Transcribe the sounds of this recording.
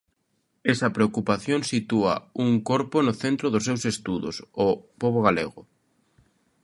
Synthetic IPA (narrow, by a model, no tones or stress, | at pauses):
esɐpɾeokupaθjoŋsit̪uɐ̰uŋkoɾpʊnʊθent̪ɾʊðʊsːewsest̪uðʊ̰sopoβ̞oɣalḛɣʊ